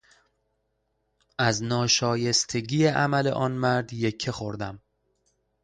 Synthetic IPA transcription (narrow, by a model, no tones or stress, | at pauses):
ʔæznɒːʃɒːje̞st̪ʰe̞ɟiːeʔæmæle̞̰ʔɒːnmæɾd̪jecʰːexo̞ɾd̪æm